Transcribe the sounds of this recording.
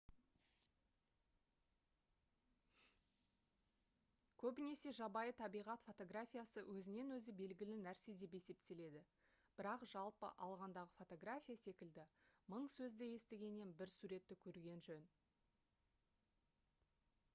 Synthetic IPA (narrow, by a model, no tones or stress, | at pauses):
kʲʰɵbɪne̞se̞ʒɑbɑjət̪ʰɑbijʁɑt̪fo̞t̪o̞ɡrafʲijasəwʔɵzɪne̞nwɵzɪbe̞lɡʲɪlɪnæɾsed̪e̞p̬e̞se̞p̚t̪e̞le̞d̪ɪ | b̥ɪɾɑqʒ̥ɑlˠpə̰ʔɑlˠʁɑnd̪ɑʁəfo̞t̪o̞ɡɾafʲijase̞kʲɪld̪ɪməɴsɵzd̪eje̞st̪eɡʲe̞ne̞nbɪɾsuɾe̞t̪ːɪkʲʰɵɾɡʲe̞nʒɵn